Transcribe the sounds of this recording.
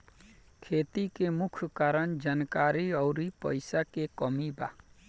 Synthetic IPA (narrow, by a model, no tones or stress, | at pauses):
kʰet̪ikemukʰkaɾənd͡ʒankaɾiɔʊɾipə̰jsakekɔmiba̰